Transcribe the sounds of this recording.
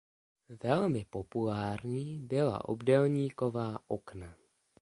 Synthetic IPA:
vɛlmɪpopulaːɾɲiːbɪla̰ʔo̰bdɛlɲiːko̞vaːʔokna

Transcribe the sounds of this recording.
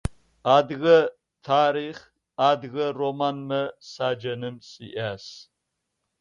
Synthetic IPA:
aːdɣɐ | tʰaːɾiːχ | aːd̪ɣɐromaːnmɐsaːd͡ʒɐnɨmsʼiʔaːs

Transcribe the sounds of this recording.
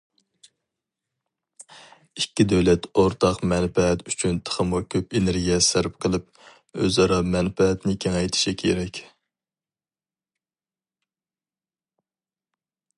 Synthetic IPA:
ikʲːid̪øwlɛt̪oɾt̪ʰɑqmɛnfɛɛt̪yt͡ʃʰynt̪ʰə̥χəmukʲʰøpeneɾɡʲijɛsæɾp̚qʰəlˠɨp̚ | ø̰zɑɾɑmɛnpɛɦɛt̪nɪkʲʰeŋɛjt̪ʰɪ̥ʃikʲʰeɾɛkʲ

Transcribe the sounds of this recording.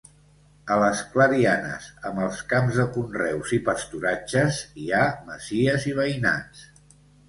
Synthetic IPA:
ələskləɾianə̰sə̰mbəlˠskamzðəkunrɛwzipəst̪uɾat͡ʃəziaməz̥iəziβ̞əjna̰ns

